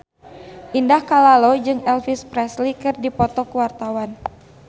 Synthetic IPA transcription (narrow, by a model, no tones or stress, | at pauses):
ʔindahkalalod͡ʒɨŋɛlfispɾɛslikɨrdipɔt̪ɔkuwart̪awan